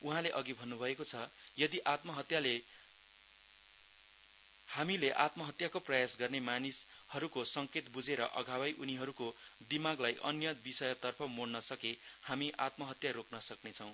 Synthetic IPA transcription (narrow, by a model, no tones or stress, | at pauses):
uɦãleʔʌɡibʱʌnːubʱʌekot͡sʰʌ | jʌd̪iʔat̪mʌɦʌt̪jale | hamileʔat̪mʌɦʌt̪jakoprʌjasɡʌrnemanis | hʌɾukosʌŋket̪bud͡zeɾʌʔʌ̰ɡʱawʌjʔuniɦʌɾuko | d̪imaɡlajʔʌnjʌbisʌjʌt̪ʌrpʰʌmoɽnʌsʌke | hamiʔa̰t̪mʌɦʌt̪jaɾoknʌsʌknet͡sʰʌw̃